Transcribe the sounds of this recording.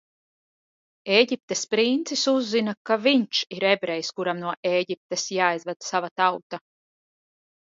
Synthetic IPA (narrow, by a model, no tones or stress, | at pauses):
eːɟip̚t̪espɾint̪sisuzːinakaviɲt͡ʃiɾebɾɛjskuɾamnuɔʔeːɟip̚t̪esjaːjzvæd̪savat̪awt̪a